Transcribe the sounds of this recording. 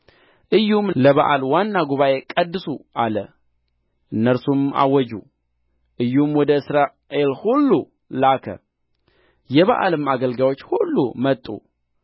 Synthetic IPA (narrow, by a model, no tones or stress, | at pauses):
ʔɨjːhumləβaʔalwanːaɡuβaʔe̞kʼəd̪ːɨsuʔalə | ʔɨnːəɾsuma̰wɔd͡ʒṵ | ʔɨjːumwɔd̪əɨsɾa | ʔe̞lhulːu | lakʰə̰ | jɛβa̰ʔa̰lɨmaɡəlɡawot͡ʃːhulːṵmət̪ʼːṵ